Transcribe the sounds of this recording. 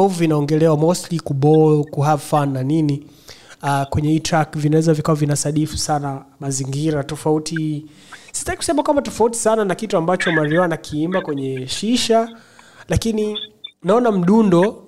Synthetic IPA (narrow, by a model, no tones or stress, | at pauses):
vvinaɔŋɡɛlɛwaɔmɔstlikuɓɔkuɦafanːanini | akwɛɲɛhitɾakvinawɛzavikawavinasaɗifu̥sanamaziŋɡiɾatɔfauti | si̥staiku̥sɛmakwambatɔfauti̥sananakituambat͡ʃɔmaɾiwanakʰiimbakwɛɲɛʃiʃa | lakininaɔnam̩ɗundɔ